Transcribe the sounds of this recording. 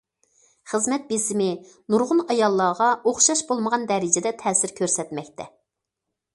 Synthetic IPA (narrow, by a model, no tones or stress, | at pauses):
χəzmɛt̪̚bɪsɪmɪ | nuɾʁʊnɑjɑlˠːɑːʁɑoχʃɑʃbolˠməʁɑnd̪ɛɾɪd͡ʒɛd̪ɛt̪ʰɛːsɪɾkʲʰøɾsɛt̪mɛkʲt̪ʰɛ